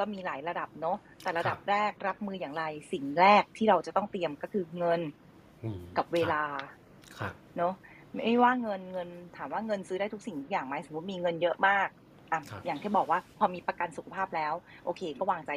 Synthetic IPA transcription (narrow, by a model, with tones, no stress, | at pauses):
kɔː˥˩miː˧laː˩˦jɾa˧da˨˩p̚nɔ˦˥ | t̪ɛː˨˩ɾa˧da˨˩p̚ɾɛː˥˩k̚ɾa˦˥p̚mɯː˧jaː˨˩ŋɾa˧jsi˨˩ŋɾɛː˥˩k̚t̪ʰiː˥˩ɾa˧wt͡ɕa˨˩t̪ɔ˥˩ŋt̪i˧əmkɔː˥˩kʰɯː˧ŋɤ˧n | ka˨˩p̚weː˧laː˧ | kʰ | nɔ˦˥ | ma˥˩jwaː˥˩ŋɤ˧nŋɤ˧nt̪ʰaː˩˦mwaː˥˩ŋɤ˧nsɯː˦ɾaː˥˩jt̪ʰu˥k̚si˨˩ŋt̪u˦˥jaː˨˩ŋma˦˥jso˨˩˦mː˦˥t̪̚miː˧ŋɤ˧njɤ˦˥ʔmaː˥˩k̚ | ʔa˧˩jaː˨˩ŋt̪ʰiː˥˩bɔː˨˩k̚waː˥˩pʰɔː˧miː˧pɾa˧ka˧nsu˨˩kʰa˧pʰaː˥˩p̚lɛː˦˥wʔoː˧kʰeː˧kɔː˥˩waː˧˩ŋt͡ɕa˧j